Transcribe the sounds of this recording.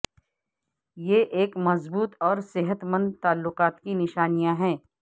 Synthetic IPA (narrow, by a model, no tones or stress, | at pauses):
jeʔeːkmɐzbuːt̪ɔːɾsɪɦət̪mə̃nd̪̚t̪aːlːʊqaːt̪kinɪʃaːnijãɦɛ̃ː